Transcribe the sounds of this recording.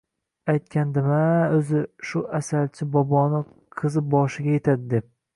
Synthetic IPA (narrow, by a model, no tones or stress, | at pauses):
ajt̪̚kʲand̪ɪmaɵzɪʃʊʔasalt͡ʃʰɪbɒbɒnɪ | qʰɨzɪp̚bɒʃɪɡʲaje̞t̪ʰad̪ɪd̪e̞p̚